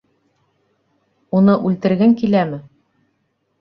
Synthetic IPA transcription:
unɤʔʉlt̪ɘ̆ɾɡɘŋkilæmɘ

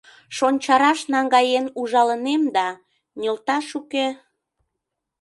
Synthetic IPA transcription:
ʃonʲt͡ɕɑɾɑʃnɑŋɡɑjenuʒɑlənemd̪ɑ | nʲəlt̪ɑʃuke

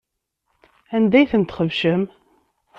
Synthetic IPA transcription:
ænd̪æjθənt̪χəvʃəm

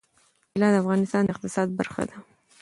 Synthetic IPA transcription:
ɪlɑd̪əafɣɑnɪst̪ɑnd̪əɪq̚t̪ɪsɑd̪̚ba̰ɾxa̰d̪a

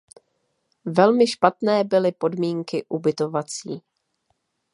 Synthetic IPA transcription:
vɛlmɪʃpat̪nɛːbɪlɪpo̞dmiːŋkɪʔubɪt̪o̞vat͡siː

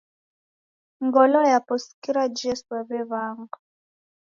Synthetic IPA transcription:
ŋɡɔlɔjapɔskiɾad͡ʒɛswɛβɛβaːŋɡa

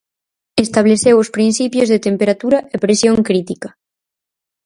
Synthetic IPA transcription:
est̪aβ̞leθewʊspɾin̟θipjozðet̪empeɾat̪uɾɐʔepɾesjõŋkɾit̪ikɐ

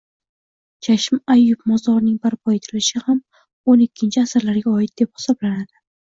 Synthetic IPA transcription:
d͡ʒʰaʃɪmajːʊpmɒzd̪ɒɾnɪŋbaɾpʰɒe̞t̪ʰɪɾɪlɪʃɪham | onɪkʲʰːɪnt͡ʃʰɪasɨɾlaɾɡʲaɒɪt̪̚d̪e̞p̚hɪ̥sɒblanad̪̥ɪ

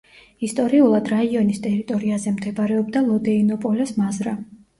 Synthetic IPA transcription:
ist̪ʼɔɾiulˠad̪ɾaiɔnist̪ʼɛɾit̪ʼɔɾiazɛmd̪ɛbaɾɛɔbd̪alˠɔd̪ɛinɔpʼɔlɛsmazɾa

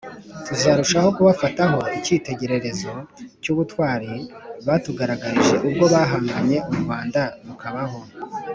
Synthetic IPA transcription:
tuzaɾuʃaho̞kuβafataɦo̞iciːte̞ɟe̞ɾe̞ɾe̞zo̞cuβutwaːɾiβatuɡaɾaɡaɾiʒe̞ʔub̚ɡo̞βaːɦaŋɡaɲe̞ʔumuβaːndanukaβaho̞

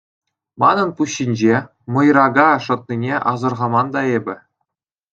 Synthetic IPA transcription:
mɑnɤ̆npuɕːinʲd͡ʑe | mɤ̆jrɑɡɑʂɤ̆t̪̚nʲinʲeʔɑzɤ̆rʁɑmɑnd̪ɑebʲɘ̆

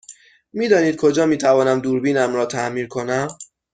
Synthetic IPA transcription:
miːd̪ɒːniːd̪̚kʰo̞d͡ʒɒːmiːt̪ʰævɒːnæmd̪uːɾbiːnæmɾɒːt̪ʰæʔmiːnkʰo̞næm

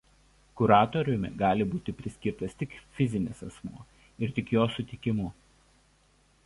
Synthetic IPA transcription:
kʊɾɑːt̪ɔɾʲʊmʲɛ̰ɡɑːlʲɪbuːt̪ʲɪpʲɾʲɪsʲkʲɪɾt̪ɐst̪ʲɪkfʲɪzʲɪnʲɪsɐsmṵː | ɪɾt̪ʲɪkjoːsʊt̪ʲɪkʲɪmʊ

